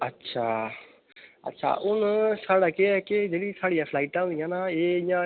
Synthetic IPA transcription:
ətːʃʰaː | ɐ̰tːʃʰa̰ːʔʊnsaːɽakeɛked͡ʒeːɽisaːɽijãːpʰlaːɪʈãũnd̪ijãːnaeːɪ̃jã

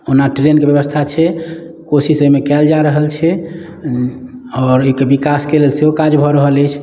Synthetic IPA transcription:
onaʈɾenkebjəbəst̪ʰat͡ʃʰɛ | kosisəmekɛld͡ʒaɾəɦəlt͡ʃʰɛ | ɔːɾokebikaskelelseɦokad͡ʒbʱɔɾəɦələjt͡ʃʰ

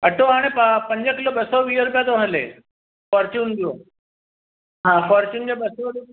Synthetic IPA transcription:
ɐʈoɦaːɽ̃ẽpəpɐ̃ɲd͡ʑəkɪloɓɐsɔʋiːəɾʊpijat̪oɦɐlḛ | fɔɾt͡ɕund̪ijo | ɦãːfɔːɾt͡ɕuːnd͡ʑoɓɐso

